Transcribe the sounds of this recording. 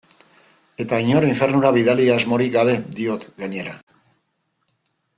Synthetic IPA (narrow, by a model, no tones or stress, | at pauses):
e̞t̪aiɲo̞riɱfe̞ɾnuɾaβiðaliazmo̞ɾiɡaβe̞d̪io̞t̪ɡaɲe̞ɾa